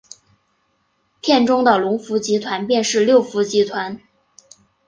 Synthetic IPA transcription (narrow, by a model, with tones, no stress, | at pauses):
pʰjɛ˥˩nʈ͡ʂʊ˥ŋd̪ə˨lʊ˧˥ŋfu˧˥t͡ɕi˧˥t̪ʰwa˧˥npjɛ˥˧nʂɻ̩˥˧ljo˥˩ʊfu˧˥t͡ɕi˧˥t̪ʰwa˧˥n